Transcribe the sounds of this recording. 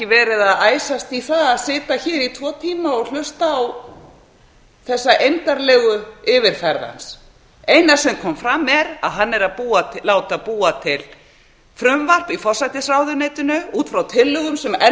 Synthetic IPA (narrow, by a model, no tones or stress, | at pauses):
ɪvɛːɾɪðaðaːjsast̪iθaðaðsɪːt̪açɛːɾit̪ʰvɔːt̪ʰiːmaɔɣl̥ʏst̪aːw | θɛsːaʔejnt̪aɾlɛɣʏʏːvɪɾ̥fɛɾða̰ns | ejnasɛmkʰɔmfɾamːɛɾa̰ðɦanːɛɾaðpuːat̪ʰɪlːaːwt̪apuːat̪ʰɪl | fɾʏmvar̥pifɔr̥sajt̪ɪsɾawðʏnejt̪ʏnʏuːt̪fɾawt̪ʰɪlːʏɣʏmsɛmɛ